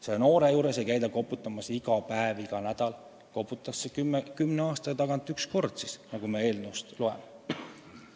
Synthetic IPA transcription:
seno̞ːɾe̞juːɾese̞jkæjd̪ɑko̞put̪ːˑɑmɑsiɡ̥ɑpæeviɡ̥ɑnæd̪̥ɑl | ko̞put̪ːˑɑsːekykymneɑːst̪ɑt̪ɑɡ̥ɑnt̪ːˑyksko̞rd̪̥sisnɑɡ̥umee̞ːlnuwst̪loen

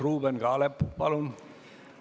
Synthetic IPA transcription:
ruːbenɡ̥ɑːlepːpɑlun

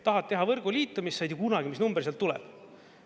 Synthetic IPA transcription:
t̪ɑɦɑt̪̚t̪ːe̞ɦɑvɤrɡ̥ulʲiːt̪ːˑɑmisːɑjd̪̥ʲjɑkunɑɡ̥imisnumbeɾrseɑlt̪ːulɛ̰b̥

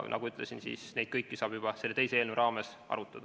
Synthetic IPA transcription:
nʔɑ̰ɡuyt̪ˑlesinsḭːsne̞jd̪̥kɤjkːisɑːb̥jub̥ɑse̞let̪e̞jseeːlnevɾʔɑːme̞s | ɑ̰ɾut̪ːˑɑd̪̥ɑ

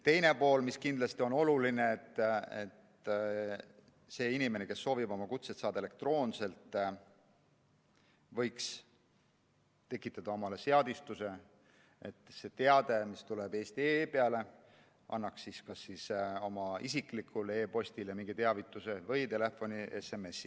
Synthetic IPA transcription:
t̪e̞jne̞po̞ːlmiskind̪lɑst̪io̞no̞luline̞ːt̪ːˑet̪ | se̞ːinʲime̞ne̞ke̞sːo̞ːvibo̞mɑkut̪set̪sɑːd̪ɑele̞kt̪ro̞ːnse̞lt̪ːˑ | vɤ̞jks | t̪e̞kːˑit̪ːˑɑd̪̥ɑo̞mɑle̞se̞ɑd̪ist̪use̞ | et̪ːˑse̞t̪e̞ɑd̪̥e̞mist̪ulebe̞ːst̪ieːpeɑle̞ | ʔɑ̰nːɑksːiskɑsːiso̞mɑisiklikʰːulee̞ːpo̞st̪ilemiŋɡ̥it̪eɑvit̪ːˑuse̞vɤjt̪e̞le̞fːo̞nieseme̞sːi

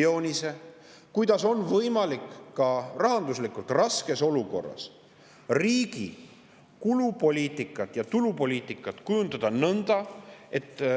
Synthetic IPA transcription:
o̞ːnʲise̞ | kujd̪̥ɑso̞nːvɤjmɑlikːɑrɑɦɑnd̪uslikːˑult̪rɑske̞so̞luko̞̰rːɑ̰s | riːɡ̥ḭ | kulupo̞lʲiːt̪ˑikːˑɑt̪jɑt̪ulupo̞lʲiːt̪ˑikːˑɑt̪kujund̪̥ɑd̪̥ɑnɤnd̪̥ɑe̞t̪ːˑ

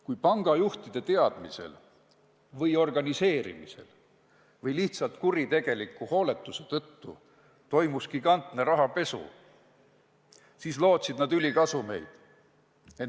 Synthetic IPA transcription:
kujpɑŋɡ̥ɑjuht̪id̪̥e̞t̪e̞ɑd̪̥mise̞̰l | vɤjo̞rɡ̥ɑnise̞ːɾḭmise̞̰l | vɤjliht̪sɑlt̪kuɾit̪e̞ɡ̥e̞likːˑuho̞ːle̞t̪ːˑuse̞t̪ɤt̪ːṵ | t̪o̞jmuskikɑnt̪neɾɑɦɑpe̞sṵ | siːslo̞ːt̪sid̪̥nɑd̪ylʲikɑsume̞̰jd̪̥ | e

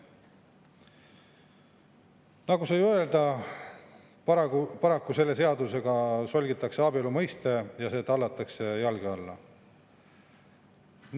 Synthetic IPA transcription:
nɑɡusɑjøeld̪ɑ | ppɑɾɑkːuse̞lːe̞se̞ɑd̪use̞ɡ̥ɑso̞lʲɡit̪ːˑɑkse̞ɑbiolumɤjst̪e̞jɑse̞ːt̪ɑlːɑt̪ːˑɑkse̞jɑlɡ̥iɑlːɑ̰ | n

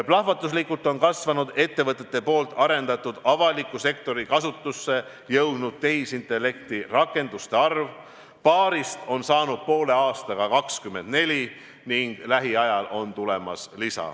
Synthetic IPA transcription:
plɑhvɑt̪ːˑus̬likːult̪ːˑo̞nkɑsvɑnud̪̥e̞t̪ːe̞vɤt̪ˑːe̞t̪ːe̞po̞ːlt̪ːˑɑɾe̞nd̪̥ɑt̪ːˑud̪̥ɑvɑlikˑːuse̞k̚t̪o̞ɾikɑsut̪ˑːusːe̞ | jɤwd̪nud̪̥̚t̪e̞isint̪ːˑe̞lːe̞kt̪irɑkːˑe̞nd̪̥ust̪e̞ɑrv | pɑːɾist̪o̞nsɑːnud̪̥̚po̞ːle̞ɑːst̪ɑɡ̥ɑkɑkskymːe̞nd̪̥̚ne̞lʲi | niŋɡ̥læɦiɑjɑlʔo̞nt̪ule̞mɑ̰slisɑ̰

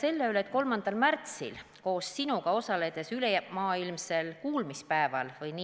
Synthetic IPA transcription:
se̞lːeyleet̪̚ko̞lmɑnd̪̥ɑlmært̪sḭl | ko̞ːssinuɡ̥ɑo̞sɑle̞d̪̥e̞sylejæmɑːilmse̞lkuːlmispæe̞vɑlvɯjni

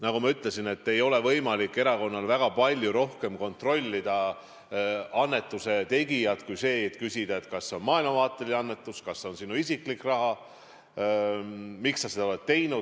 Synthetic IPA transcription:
nɑkumɑyt̪ˑle̞sine̞t̪ːe̞jo̞le̞vɤjmɑlikːˑe̞ɾɑko̞nːɑlvæɡ̥ɑpɑlʲjuɾo̞hke̞mko̞nt̪ro̞lʲːid̪̥ɑ | ɑnːe̞t̪ːˑuse̞t̪e̞ɡijɑd̪̥kujse̞ːet̪ːˑkysid̪̥ɑe̞t̪ːˑkɑsːeo̞nmɑːjlmɑvɑːt̪ːˑeliɑnːe̞t̪ːˑuskɑsːeo̞nsinuisiklikrɑɦɑ | miksːɑsed̪ɑlet̪t̪e̞jnud̪̥

